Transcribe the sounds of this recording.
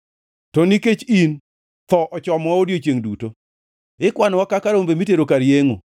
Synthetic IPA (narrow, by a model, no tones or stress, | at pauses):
tɔniket͡ʃin | t̪ɔʔɔt͡ʃɔmwaodjot͡ʃjeŋduto | ɪkwanwakakaɾombemiteɾokaɾjeŋo̰